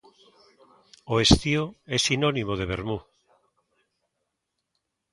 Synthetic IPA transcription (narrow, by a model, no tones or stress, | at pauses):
oest̪ioɛsinonimoð̞eβ̞eɾmu